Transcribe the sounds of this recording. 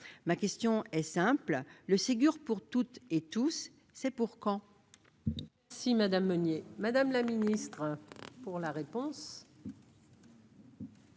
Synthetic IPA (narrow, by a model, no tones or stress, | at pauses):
makʲɛst̪jɔ̃ɛsɛ̃plləseɡʲyʁpuʁt̪ut̪et̪usː | ɛpuʁkɑ̃ | mɛʁsimad̪amːɔnjemad̪amlaminist̪χəpuʁlaʁepɔ̃s